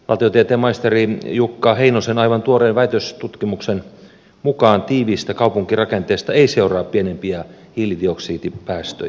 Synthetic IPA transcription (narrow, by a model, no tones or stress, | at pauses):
lɑ̰t̪iot̪iet̪eːmɑist̪erijukːɑheinosenɑiʋɑnt̪uoreːnʋæit̪øst̪ut̪kimuksen | mukɑːnt̪iːʋiːst̪ækɑupuŋkirɑkent̪eːst̪ɑeiseurɑːppienempiɑ | hilidioksiːt̪ipæːst̪ø̰j